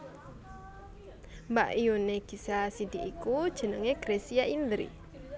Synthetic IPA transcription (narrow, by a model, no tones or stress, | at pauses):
mba̰ʔiuneɡ̥isasid̪iʔːkud̥ʒ̥ə̤nəŋeɡ̥ɾesiaʔind̪ɾḭ